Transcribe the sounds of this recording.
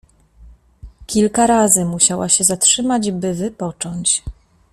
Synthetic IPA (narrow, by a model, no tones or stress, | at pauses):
kʲilkaɾazɘmuɕawaɕɛzatʂɘmad͡ʑbɘvɘpɔt͡ʂɔɲt͡ɕ